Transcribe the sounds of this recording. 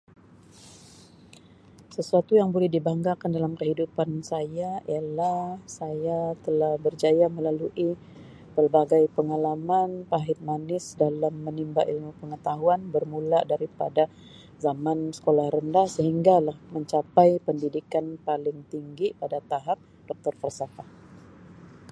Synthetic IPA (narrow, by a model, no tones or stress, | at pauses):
səsuat̪ujaŋbolɛhdibaŋɡakandalamkəɦidupansajaialahsajat̪əlahbərd͡ʒajaməlaluʔi | bərbaɡajpəŋalamanpaɦɪt̪̚manɪsdalamːənimbaʔilmupəŋət̪aɦuanbərmuladaɾipa̰da | zamansə̥kolahɾəndahsəɦiŋɡalahməɲt͡ʃapajpəndidikanpalɪŋt̪iŋɡipadat̪aɦap̚ | d̥ɔk̚t̪ɔrfərsaka